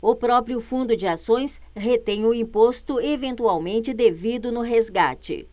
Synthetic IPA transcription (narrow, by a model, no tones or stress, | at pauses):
ʊpɾɔpɾjʊfũnd̪ʊd͡ʒɪasõj̃s | ɦet̪ẽj̃ʊĩpost̪ʊevẽnt̪uawmẽnt͡ʃɪd̪evid̪ʊnʊɦezɡa̰t͡ʃɪ̰